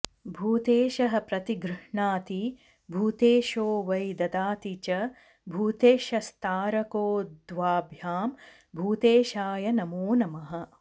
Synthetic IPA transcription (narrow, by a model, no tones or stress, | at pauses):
bʱuːt̪eːʃɐɦɐ̆pɾɐt̪iɡɾɨʂɳaːt̪i | bʱuːt̪eːʃoːʋɐjd̪ɐd̪aːt̪it͡ʃɐ | bʱuːt̪eːʃɐst̪ʰaːɾɐkoːd̪ʋaːbʱjaːm | bʱuːt̪eːʃaːjɐnɐmoːnɐmɐɦɐ̆